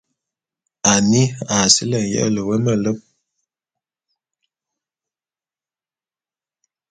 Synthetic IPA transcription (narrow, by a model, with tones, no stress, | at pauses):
a˨ni˦a˨si˦lə˦˨ŋ˨jə̰˦ʔlə˨wə˦mə˦˨lə˦p̚